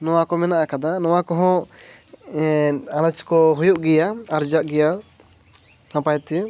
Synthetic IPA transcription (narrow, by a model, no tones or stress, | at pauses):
nɔwakɔmɛnaʔakad̪anɔwakɔɦɔ̃ | aɾat͡ʃkɔɦɔjuʔɡɛjaaɾd͡ʒaʔɡɛja | sãpajt̪i